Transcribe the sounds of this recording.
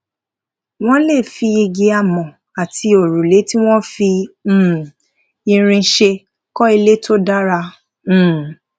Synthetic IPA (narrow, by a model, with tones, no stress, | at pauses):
w̃ɔ̃˦le˦˨fi˧i˧ɡe˧a˨mɔ̃˨ | a˨tʰi˧o˨ɾũ˨le˨˦tĩ˦w̃ɔ̃˦fĩ˧˦˨ | i˧ɾ̃ĩ˧˦ʃe˧ | kɔ˦i˧le˦to˦da˦ɾã˧˦˨